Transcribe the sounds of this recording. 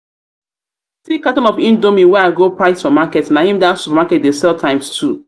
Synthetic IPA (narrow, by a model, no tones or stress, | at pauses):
sikatɔ̃nɔfĩndomĩwɛaɪɡopɹaɪsfɔmakɛtnahĩmdasupamakɛt̚desɛlˠtʰãɪ̃mstʰu